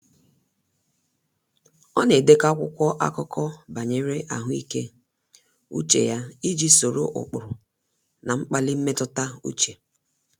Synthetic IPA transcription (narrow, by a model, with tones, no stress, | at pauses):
ɔ˦ne˨de˦ka˦kʷʊ˦kʷɔ˦ʔa̰˦kɔ˦kɔ˦ba˨ɲe˦ɾe˦ʔa̰˨ɦʊ˦i˦ke˦ | ṵ˦t͡ʃḛ˨ja˦i˦d͡ʒi˦so˨ɾo̰˦ʔʊ̰˨k͡pʊ˨ɾʊ˨ | na˨ŋ͡m̩˦k͡pa˦lɪ˦m̩˦me˦tʊ˦ta˦ṵ˦t͡ʃe˨